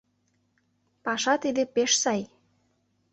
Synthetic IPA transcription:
pɑʃɑt̪id̪epeʃsɑj

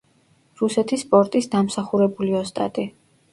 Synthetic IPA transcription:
ɾusɛt̪ʰispʼɔɾt̪ʼisd̪amsaχuɾɛbuliɔst̪ʼa̰t̪ʼi

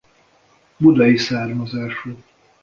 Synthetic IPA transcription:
bud̪ɛjisaːrmɒzaːʃuː

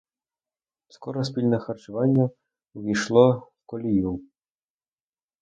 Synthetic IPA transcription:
skɔɾɔsʲpʲilʲnɛxɐrt͡ʃʊʋɑnʲːɐ | ʋʲijʃlˠɔ | kɔlʲiju

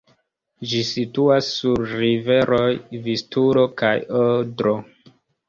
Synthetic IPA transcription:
d͡ʒisituasːuɾɾive̞ɾojvistuɾo̞kajodɾo

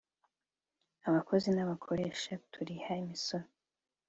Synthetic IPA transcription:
aβakʰo̞zinaβakʰo̞ɾe̞ʃatʰuɾihaimisoɾo

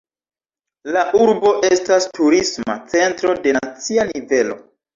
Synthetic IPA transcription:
laʔuɾbo̞ʔe̞stastuɾisma̰t͡se̞ntɾo̞de̞nat͡sianive̞lo̞̰

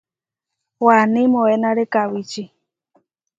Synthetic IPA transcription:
wanɪmoɛnaɾekawit͡ʃi

